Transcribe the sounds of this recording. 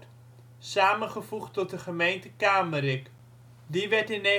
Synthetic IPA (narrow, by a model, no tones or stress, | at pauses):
saːmənχəv̥uχtɔt̚dəχəmejntəkaːməɾɪk | diʋɛɹtɪnɛ